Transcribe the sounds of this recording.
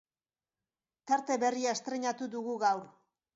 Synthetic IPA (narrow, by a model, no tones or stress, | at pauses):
t̪aɾt̪e̞βe̞riaest̪ɾe̞ɲat̪uðuɣuɣawɾ